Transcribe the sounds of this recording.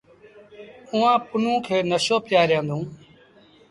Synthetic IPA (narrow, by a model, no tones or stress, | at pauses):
ʊːãːpʊnũːkʰeːnəʃoːpjaːɾjãːnd̪ũː